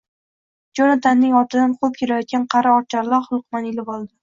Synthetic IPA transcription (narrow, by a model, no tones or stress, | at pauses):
d͡ʒɒnat̪ʰanːɪŋɒt̪ʰɪd̪anqʰop̚kʲʰeɾajɒt̪̚ɡʲanqʰɑɾaɒɾt͡ʃʰaɾlaɾχʊlˠq̚manɪlɪbɒlˠd̪ɪ